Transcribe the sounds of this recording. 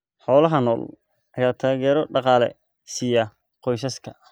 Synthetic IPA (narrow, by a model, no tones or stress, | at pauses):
ħɔːlɐɦɐnɔːl | ʔɐɣaːt̪ʰaːɣɛːɾɔɖɑqɑːlɛ̰ | sijɐ | qɔjsɐskʰɐ